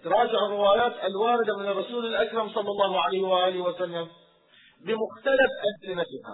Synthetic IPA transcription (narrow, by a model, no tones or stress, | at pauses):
t̪ɑɾˤɑːd͡ʒaʕɪrːɪwaːjaːt̪ɪlwaːɾɪd̪amɪnɪrˤːɑsuːlɪlʔakɾˤɑmsˤɑlˤːɑlˤːɑːhʕalajhwʔaːlɪwasalːam | bɪmʊxt̪alafʔanzɪnafiha̰